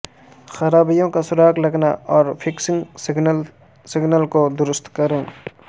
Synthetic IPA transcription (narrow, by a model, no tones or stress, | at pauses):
xɐɾaːbijõkasʊɾaːklɐɡna̰ɔːɾpʰɪksɪ̃ŋɡɪɡn | sɪɡnəlkod̪ʊɾʊst̪kəɾẽː